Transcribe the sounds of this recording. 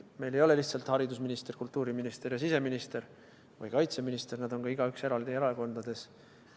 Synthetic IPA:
me̞jle̞jo̞le̞liht̪sɑlt̪hɑɾid̪usminist̪e̞rkult̪ːˑuːɾiminist̪e̞ɾjɑsise̞minist̪e̞ɾ | vɯ̰jkɑjt̪seminist̪e̞rnæd̪o̞nɡɑiɡ̥ɑykse̞ɾɑld̪ieɾɑeko̞nd̪̥ɑd̪e̞s

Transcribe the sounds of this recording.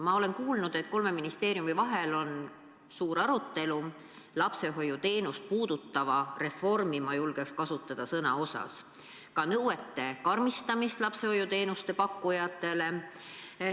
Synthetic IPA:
mɑo̞le̞nkuːlnud̪̥et̪̚ko̞lme̞minist̪e̞ːɾijumivɑɦe̞lo̞n | suːɾɑɾut̪ːe̞lu | lɑpse̞ɦo̞jut̪e̞ːnust̪̚puːd̪̥ut̪ːˑɑvɑre̞fo̞rmimɑjulɡ̥ekskɑsut̪ːˑɑd̪̥ɑsɤnɑ̰o̞sɑ̰s | kɑnɤwe̞t̪ːe̞kɑrmist̪ɑmist̪lɑpse̞ho̞jut̪e̞ːnust̪e̞pɑkːˑujɑt̪ˑːe̞le̞

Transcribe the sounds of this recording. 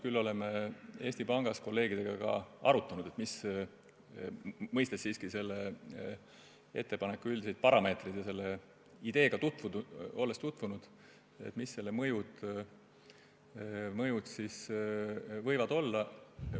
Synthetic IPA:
kylːo̞le̞mee̞ːsʲt̪ipɑŋɡ̥ɑsko̞lːe̞ːɡ̥id̪̥e̞ɡ̥ɑkɑ̰ɑ̰ɾut̪ːˑɑnud̪̥e̞t̪mis | mɤjst̪essiːskise̞lːe | e̞t̪ːepɑne̞kːuylʲd̪isejd̪̥̚pɑɾɑme̞ːt̪red̪̥jɑse̞lːe̞ | id̪̥e̞ːɡ̥ɑt̪ut̪vuo̞lːest̪ut̪ːˑvunud̪̥ | ḛt̪ːˑmisːe̞lːe̞mɤjud̪̥ | mɤjut̪sis | vɤ̞jvɑd̪̥o̞lːɑ

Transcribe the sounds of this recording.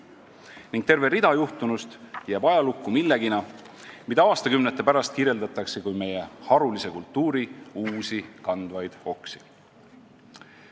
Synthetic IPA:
niŋɡ̥t̪e̞rve̞ɾid̪̥ɑjuht̪unust̪jæːb̥ɑjɑlukːˑumilːe̞ɡ̥inɑ | mid̪ɑɑːst̪ɑkymnet̪ːˑe̞pæɾɑst̪̚kiɾje̞ld̪ɑt̪ːˑɑkse̞kujme̞je̞hɑɾulise̞kult̪ːˑuːɾiuːsikɑnd̪̥vɑjd̪̥o̞ksi̥

